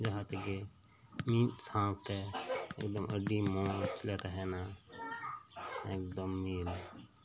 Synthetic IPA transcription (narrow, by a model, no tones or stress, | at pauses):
d͡ʒaɦat̪eɡe | miːt̪sãːp̚t̪eḛːkd̪əmə̰ɖimõːt͡ʃlet̪aɦɛːna | eːk̚d̪əmːiːl